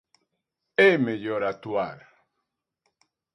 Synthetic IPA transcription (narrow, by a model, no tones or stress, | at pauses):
emejoɾat̪uaɾ